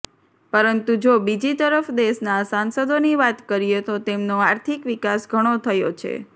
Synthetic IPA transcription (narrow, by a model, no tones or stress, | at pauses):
pəɾənt̪ud͡ʒobid͡ʒit̪əɾəfd̪eʃnasansəd̪oniʋat̪kəɾijet̪ot̪emnoaɾt̪ʰikʋikasɡʱəɽ̃ot̪ʰəjot͡ʃʰḛ